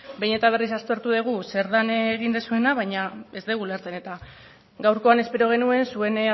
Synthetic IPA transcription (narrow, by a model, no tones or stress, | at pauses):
be̞jne̞t̪aβ̞e̞risast̪o̞ɾt̪uðeɣ̞use̞ɾðanːɣind̪esue̞naβ̞ajɲae̞zd̪eɣuleɾt͡sene̞t̪a | ɡawɾko̞ane̞spe̞ɾo̞ɣ̞e̞nue̞nsue̞n